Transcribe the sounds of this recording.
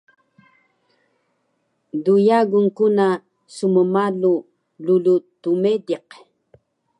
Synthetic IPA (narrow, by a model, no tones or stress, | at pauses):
dujaɡuŋkuna | suməmalu | lulut̪umediq